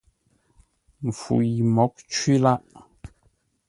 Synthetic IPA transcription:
m̩˨fṵ˨ji˨mɔ˨˦k̚t͡ʃwi˦la˦ʔ

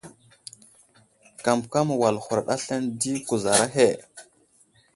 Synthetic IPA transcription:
ka˨mbka˦m˨wa˨lxu˨ɾa˨ɗa˦ɬa˦ndi˦ku˨za˨ɾa˦ɦe˦˨

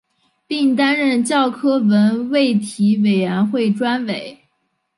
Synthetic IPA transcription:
pi˥˩ŋt̪̬a˥nɻə˥˧nt͡ɕjɑ˥˩ʊkʰɤ˥wə˧˥nwe˥˩ɪt̪ʰi˧˥we˨˩ɪɥɛ˧˥nxwe˥˩ɪʈ͡ʂwa˥nwe˨˩˦ɪ

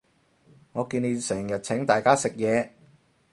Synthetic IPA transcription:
ŋɔː˨˧kiː˧ne˨˧jsɛː˨˩ŋjɐ˨t̚t͡sʰɪ˨˥ŋt̪aː˨˩jkaː˥sɪ˨k̚jɛː˨˧

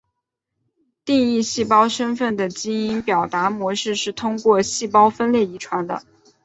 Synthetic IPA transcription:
t̪i˥˧ŋi˥˧ɕi˥˩pɑ˥ʊʂə˥nfə˥˩nd̪ə˩t͡ɕi˥ŋi˥npjɑ˨˩ʊt̪a˧˥mwɔ˧˥ʂɻ̩˥˧ʂɻ̩˥˩t̪ʰʊ˥ŋkwɔ˥˧ɕi˥˩pɑ˥ʊfə˥nljɛ˥˩i˧˥ʈ͡ʂʰwa˧˥nd̪ə̰˧

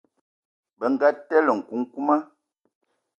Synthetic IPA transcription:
bə˨ŋ̩˨ɡa˦tɛ˦lə˨ŋ̩˨ku˨˦ŋ̩˦ku˦ma˦

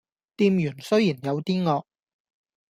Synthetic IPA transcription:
t̪iː˧mjyː˨˩nsɵ˥ɥjiː˨˩njɐ˨˧wt̪iː˥ŋɔː˧k̚

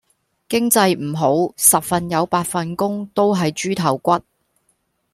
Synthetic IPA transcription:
kɪ˥ŋt͡sɐ˧jm̩˨˩ɦo˨˥wsɐ˨p̚fɐ˨njɐ˨˧wpaː˧t̚fɐ˨nkʊ˥ŋt̪o˥wɦɐ˨jt͡ʃyː˥t̪ʰɐ˨˩wkʷɐ˥t̚

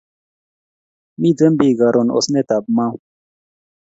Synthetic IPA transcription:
mi˦d͡ze˦mbi˨ɡa˨ɾʔo˨no̰˨sne˦t̪a˨b̚mã˦

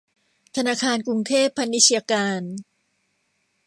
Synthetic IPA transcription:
t̪ʰa˧naː˧˩kʰaː˧nkɾu˧ŋt̪ʰeː˥˩pʰːa˧nːi˦t͡ɕʰi˧a˧kaː˧n

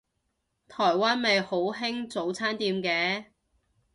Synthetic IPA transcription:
t̪ʰɔː˨˩jwaː˥nme˨jho˨˥wɦɪ˥ŋt͡so˨˥wt͡sʰaː˥nt̪iː˧mkɛː˨˧˥

